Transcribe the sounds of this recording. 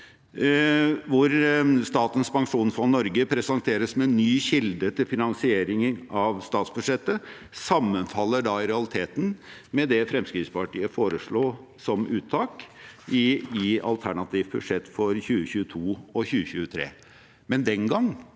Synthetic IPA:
ʋʊɾst̪ɑːt̪ənspɑŋʂuːnfɾɑnɔɾɡəpʰɾɛsɑnt̪ʰeːɾəsmɛnːyːçɪld̪ət̪ʰɪlfɪnɑnsɪeːɾɪŋəɾʔɑʋst̪ɑːt̪sb̥ʉ̥ʂɛt̪ːə | sɑmːənfɑlːəɖɑɪɾɛɑlɪt̪ʰeːt̪n̩mɛd̪ɛfɾɛmskɾiːt̪spɑʈiːəfoːɾəʂɭoː | sɔmʔʉːt̪ʰːɑːkɪɪɑ̰lt̪ʰæɳɑt̪ʰiːʋbʉ̥ʂɛt̪ːfɔɾçʉːəçʉːət̪ʰuːɔçʉːəçʉːət̪ʰɾḛː | mɛnd̪ɛnɡɑŋː

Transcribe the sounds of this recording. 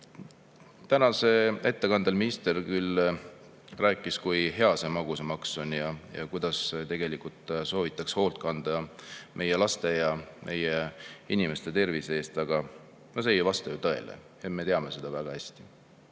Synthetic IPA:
t̪ænɑse̞e̞t̪ːe̞kɑnd̪elminist̪e̞rkyl | ræːkˑːiskujɦe̞ɑsemɑɡ̥usemɑkso̞njɑjɑ̰kujd̪̥ɑst̪e̞ɡ̥e̞likult̪so̞ːvit̪ːˑɑksho̞ːlt̪̚kɑnd̪̥ɑmʔe̞jelɑst̪e̞jɑmʔe̞jeinime̞st̪e̞t̪e̞rviseːst̪ɑɡ̥ɑ | nos̬e̞jvɑst̪ɑjut̪ɤe̞̰lḛ | et̪me̞t̪e̞ɑme̞se̞d̪̥ɑvæɡ̥ɑhæsʲt̪i̥

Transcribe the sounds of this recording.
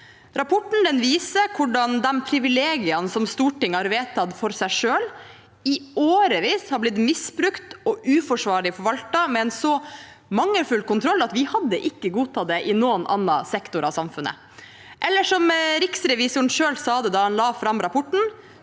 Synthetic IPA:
ɾɑpʰɔʈɳ̩d̪ɛnʋiːsəkʰʊɖɑnd̪ɛmpʰɾɪʋɪleːɡɪɑnsɔmst̪uːʈɪŋhɑɾʋeːt̪ʰɑd̪fɔɾsæɪʂøːl | ɪoːɾəʋiːshɑɾblɪt̪mɪsbɾʉkt̪ɔʔʉːfɔʂʋɑːɭɪfɔɾʋɑlt̪ɑmɛɛnsɔ | mɑŋːəlfʉlkʊnt̪ʰɾɔlːɑt̪ʋɪhɑd̪ːəʔɪkːəɡuːt̪ʰɑd̪ɛʔɪnoːənʔɑ̰nːɑsɛkt̪ʊɾɑʋsɑmfʉnə̰ | ʔɛlːəʂɔmɾɪksɾɛʋɪsʊɳʂøːlsɑːd̪ɛd̪ɑːhɑnlɑːfɾɑmɾɑpʰɔʈːɳ̩

